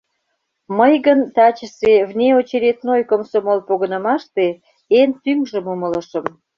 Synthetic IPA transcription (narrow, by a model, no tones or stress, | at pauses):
məjɣənt̪ɑt͡ɕəseβnʲeot͡ɕeɾʲet̪nojkomsomolpoɣənəmɑʃt̪e | ent̪yŋʒə̆mumələʃə̆m